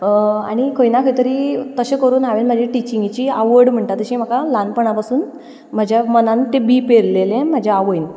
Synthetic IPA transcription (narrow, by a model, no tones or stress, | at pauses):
a̰ɽ̃ikʰojnakʰəjt̪əɾiːt̪əɕẽkəɾuːnaʋenm̤əd͡ʑʱiʈit͡ɕĩŋɡit͡ɕiːaʋəɽm̤əɳʈat̪əɕĩm̤əkalanpəɳapasuːn | m̤əd͡ʑʱjamənãnt̪ebiːpeɾlelẽm̤əd͡ʑʱaaʋəjn